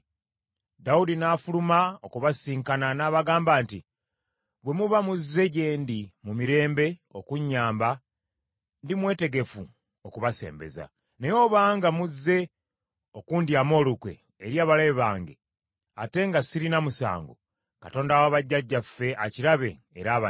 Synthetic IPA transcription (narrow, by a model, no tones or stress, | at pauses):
daudinaːfulumaokuβasiːŋkananaːβaɡaːmbaːnti | βwe̞muβamuzːe̞ɟe̞ːndimumiɾe̞ːmbe̞o̞kuɲːaːmba | ndimwe̞ːte̞ɡe̞fu | o̞kuβase̞̰ːmbe̞̰za̰ | nejo̞ːβaːŋɡamuzːe̞ | o̞kuːndiamo̞ːlukwḛː | ɾjaːβaleβaːŋɡe̞̰ | ate̞ŋɡasiɾinamusa̰ːŋɡo̞̰ | kato̞ːndawaβaɟːaɟːafːe̞ʔaciɾaβe̞̰ːɾaːβa